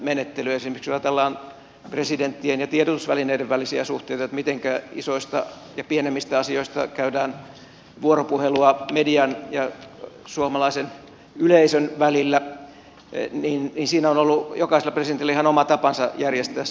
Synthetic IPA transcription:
menet̪ːelyesimeksʋɑt̪ɑlːɑːn | president̪ːienjɑt̪ieɾot̪usʋælineideʋʋælisiæsuht̪eˑit̪ɑot̪mit̪eŋkæḭsoist̪ɑ | jɑpienemːist̪æɑsioist̪ɑ̰kæydæːn | ʋuoropuheluɑmediɑnjɑ | suomɑlɑisen | yleisønʋælilːæ | niːnninsiːnæonolːujokɑiselːɑpresident̪ilæihɑnomɑt̪ɑpɑnsɑjærjest̪æː

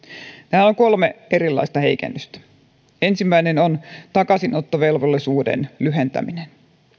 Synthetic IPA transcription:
t̪æhænoŋko̞lmee̞ɾilːɑ̰ist̪ɑhe̞̰jkḛnːøst̪æ̥ | e̞nsimːæinenont̪ɑkɑsinʔot̪ːoʋe̞lʋolːisuːdḛnlyɦe̞nt̪æ̰minen

